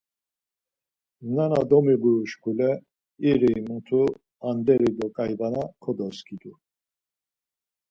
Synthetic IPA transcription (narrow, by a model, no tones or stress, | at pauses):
nanad̪ɔmiɡuuʃkʰulɛ | iɾimut̪ʰu | and̪ɛɾid̪ɔkʼajvanakʰɔd̪ɔskʰʼid̪u